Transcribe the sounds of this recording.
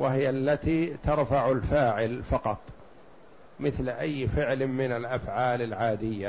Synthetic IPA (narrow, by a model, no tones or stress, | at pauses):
wahɪjalːat̪iːt̪ɑɾˤfaʕalfaːʕɪlfɑqɑt̪ˤ | mɪθlʔajːfɪʕlmɪnalʔafʕaːlalʕaːd̪ɪjːa